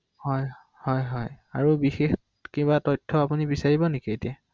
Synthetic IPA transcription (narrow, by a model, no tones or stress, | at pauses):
hɔj | hɔjɦɔjaɹubixex | kibatɔjtʰːɔapunibisaɹibɔnekietia